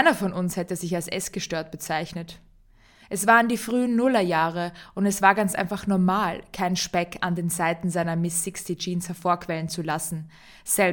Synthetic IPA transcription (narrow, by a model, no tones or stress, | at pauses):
aɪnɐfɔnʊnshɛtəzɪçalsʔɛ̰sɡ̥əʃtøːɐt̚b̥ət͡saɪçnət | ʔɛsv̥aːʁəndiːfʁ̥yːənːʊlɐjaːʁ̞əʔʊntɛsv̥aːɐɡant͡sʔa̰ɪnfaχnɔɐmaːlkʰaɪnʃpɛkʰa̰ndeːnzaɪtn̩zaɪnɐmɪsːɪkstid͡ʒiːnshɛɐfoːɐkv̥ɛlənt͡sulasn̩ | z̥ɛl